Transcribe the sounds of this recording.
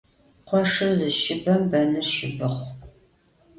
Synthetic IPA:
qʷɔʂɨrzɨʃɪbɐmbɐnɨrʃɪbɨχʷ

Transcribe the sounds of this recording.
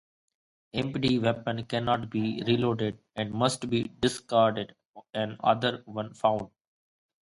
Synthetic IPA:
ɛ̃mpʈiʋɛpə̃nkɛ̃nɔːʈbiːɾiloːɖɪɖ | ɛ̃ɳɖmʌsʈbiːɖɪskaːɾɖɪɖ | ɔɛ̃nʌ̰d̪əɾʋʌ̃nfãʊ̃ɳɖ

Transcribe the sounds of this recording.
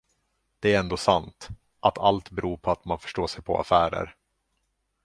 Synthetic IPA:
d̪̥ɛæɾɛnd̪oːsant̪ | ʔat̪ʰalt̪bɛɾuːpʰɔat̪manfœ̥ʂʈoːʂɛjpʰɔa̰fæːɾə̰ɾ

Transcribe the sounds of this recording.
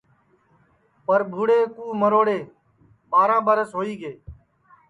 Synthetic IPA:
pəɾbʱuːɽeːkũːməɾoːɽeː | ɓaːɾãːɓəɾəsɦoːiːɡeː

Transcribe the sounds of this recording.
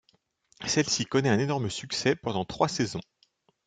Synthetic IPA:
sɛlsikɔnɛɛ̃nenɔʁməsyksɛpɑ̃d̪ɑ̃t̪χwasezɔ̃

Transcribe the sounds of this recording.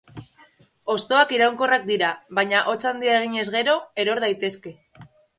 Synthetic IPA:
o̞st̪o̞akiɾawŋko̞rak̚d̪iɾaβaɲaʔo̞t͡sand̪iae̞ɣ̞iɲe̞zɣe̞ɾo̞e̞ɾo̞ɾð̞ajt̪e̞ske̞

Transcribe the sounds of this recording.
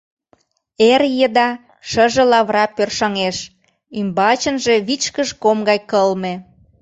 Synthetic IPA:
erjəd̪ɑ | ʃəʒə̆lɑβrɑpørʃɑŋeʃ | ymbɑt͡ɕənʒeβit͡ɕkəʃkomɡɑjkəlme

